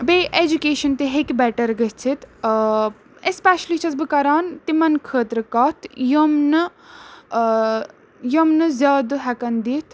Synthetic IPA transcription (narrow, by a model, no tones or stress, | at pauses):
beːʔed͡ʒukeːʃɐnt̪eɦekbɛʈɐɾɡət͡sʰit̪ | espɛʃlit͡ʃʰɐzbɨkɐɾaːnt̪imɐnkʰəːt̪ɾɨkɐt̪ʰjomnɨ | jomnɨzʲjaːd̪ɦɛkɐnd̪it̪ʰ